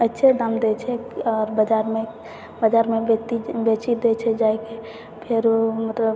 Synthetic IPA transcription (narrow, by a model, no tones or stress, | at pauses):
ətːʃʰed̪amd̪et͡ʃʰɛɔːɾbəd͡ʒaɾme | bəd͡ʒaɾmebet̪ibet͡ʃid̪et͡ʃʰɛd͡ʒaeke | pʰeɾomət̪ləb